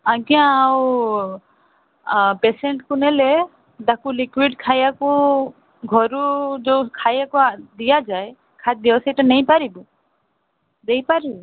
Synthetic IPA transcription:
aɡjãːw | peseɳʈkunele | d̪akulikwiɖkʰajaku | ɡʱɔɾud͡ʒowkʰajakud̪ijad͡ʒaj | kʰat̪̚d̪iɔsiʈanejpaɾibu | d̪ejpaɾibu

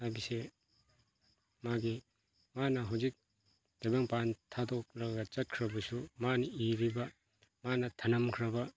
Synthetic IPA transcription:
hajbise | maɡi | manɐɦawzik̚ | d̥ajbaŋpantʰadɔk̚ɾɐɡɐt͡ʃɐt̚kʰɾɐbɐsumanɐiɾibɐ | manɐtʰɐnɐmkʰɾɐbɐ

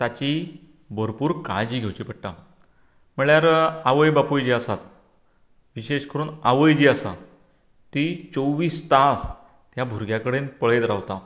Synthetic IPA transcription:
t̪at͡ɕi | bəɾpuːɾkãjd͡ʑiːɡʱewt͡ɕiːpəɽʈa | m̤əɭjaɾaʋəjbapujd͡ʑiːasat̪̚ | ʋiɕeɕkəɾuːnaʋəjd͡ʑiːasa̰ | t̪it͡sowʋiːst̪ãs | t̪jabʱuɾɡjakəɽenpəɭet̪ɾawt̪a

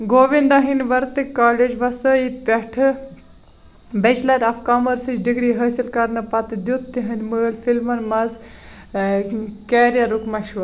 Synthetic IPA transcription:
ɡoːʋind̪ɐɦinʋɐɾt̪ikaːled͡ʒʋɐsɐit̪pʲɛʈʰɨ | bɛt͡ʃlɐɾɐfkaːmɐɾsit͡ʃɖiɡɽiɦɐːsilkɐɾnɐpɐt̪ɨd̪jut̪ːiɦɐnʲməlfilmɐnmɐz | keːɾjɐɾukmɐʃʋɐɾ

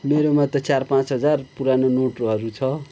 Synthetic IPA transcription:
meɾomat̪ʌt͡sarpãt͡sɦʌd͡zarpuɾanonoʈroɦʌɾut͡sʰʌ

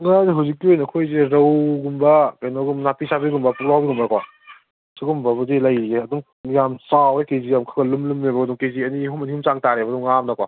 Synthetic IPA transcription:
ŋazeɦawzikːiojnɐkʰojzeɾɐwɡumbɐkajnɔɡumnapisabiɡumbɐpuɾawbiɡumaɾkwa | siɡumbɐbɐzelajieɐduŋ | jamsawekezijamkʰaɡɐlumlumnebɐɡɐduŋkejziɐniɦumɐnihimt͡ʃaŋtaɾebɐduŋːamnakwa

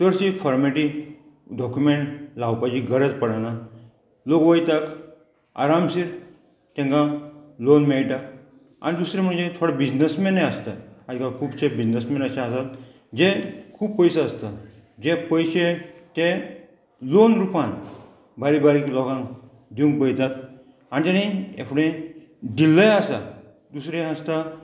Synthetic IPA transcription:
t̪əɾsifɔɾmeʈi | ɖɔkjumeɳʈlawpad͡ʑiɡəɾəd͡zpəɽana | lokʋəjt̪ak | a̰ɾamsiːɾ | t̪ɛ̃ŋkãlonmeɭʈak | a̰nid̪usɾem̤əɳd͡ʑet̪ʰoɽabid͡ʑnəsmeneəst̪at̪ad̪ikakʰuːbɕebid͡ʑnəsmẽnəɕaəsat̪ | d͡ʑekʰuːbpəjsaəst̪a | d͡ʑepəjɕet̪ẽ | lonɾupãn | baɾibaɾiːklɔɡãŋk | d̪iũŋk̚bəjt̪at̪ | anit̪añiḛfʰɽẽ | d̪ilːəjasa̰ | d̪usɾeəst̪a

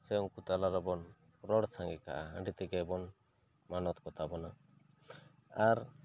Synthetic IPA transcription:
sɛuŋkut̪alaɾɔbɔn | ɾɔɽsaŋɡɛka̰ʔaa̰ɳɖit̪ɛɡɛbɔn | manɔt̪kɔt̪ʰabɔna | aɾ

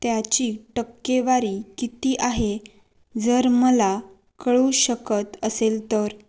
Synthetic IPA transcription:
t̪jat͡ɕiːʈəkːeʋaɾiːkit̪iːʔaɦe | d͡zəɾməla | kəɭuːɕəkət̪əselt̪əɾ

